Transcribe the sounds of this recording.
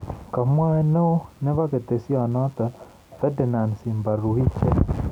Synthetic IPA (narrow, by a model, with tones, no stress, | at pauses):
ka˨mwa˦ɛ˦no˦nɛ˦βa˦ke˨t̪e˨si˦ɔ˨nɔ˦t̪a˨ | fɛ˦dɛ˨na˨nsi˨mba˨ɾu˨i˦t͡ʃɛ˨